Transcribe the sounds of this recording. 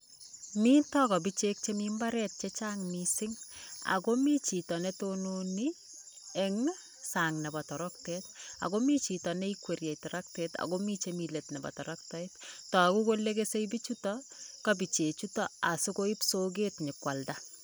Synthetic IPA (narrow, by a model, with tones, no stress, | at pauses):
mi˦tɔkɔ˨bi˦t͡ʃek̚t͡ʃemimba˦ɾɛt̚t͡ʃet͡ʃaŋmisɪŋa̰˨ko˦mi˦t͡ʃi˨tɔ˨nɛtononi | ɛŋn | saŋnɛ˨ba˨tɔ˨ɾɔk̚tɛta̰˨ɡo˦mi˦t͡ʃi˨tɔnɛ˦i˦kwe˨ɾjɛ˨jtɔ˨ɾʔak̚tɛta̰˨ɡomit͡ʃe˦mi˨letnɛbɔ̰˨tɔɾɔk̚tɔ˦ettɔ˨a˨ku˦ko˦lːekese˦ibi˦t͡ʃutɔkabi˨t͡ʃe˨t͡ʃu˦tɔ˦a˨sʊko˦i˦psoɡ̬e˦tɲɪkwa˨lda